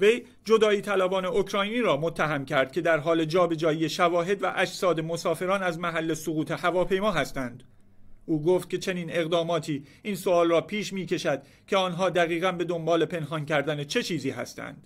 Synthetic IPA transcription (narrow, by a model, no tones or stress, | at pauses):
ve̞j | d͡ʒo̞d̪ɒːiːt̪ʰælæbɒːne̞okʰɾɒːjniːɾɒːmot̪ʰːæɦæmcʰæɾd̪̥̚cʰʲe̞d̪æɾɦɒːle̞d͡ʒɒːbe̞d͡ʒɒːjijeʃævɒːɦe̞d̪væ̰ʔæd͡ʒsɒːd̪e̞mo̞sɒːfe̞ɾɒːnæzmæɦælːe̞soɣuːt̪ʰe̞hævɒːpʰe̞jmɒːɦæst̪ænd̪̥ | ʔuːɡoːft̪̚cʰe̞t͡ʃʰe̞niːne̞ɣd̪ɒːmɒːt̪ʰiː | iːnsoɒːlrɒːpʰiːʃmiːce̞ʃæd̪̥ | cʲʰeɒːnɦɒːd̪æɣiːɣænbe̞d̪o̞mbɒːle̞pʰe̞nɦɒːncʰæɾd̪ænet͡ʃʰe̞t͡ʃʰiːziːɦæ̰st̪æ̰nd̪̥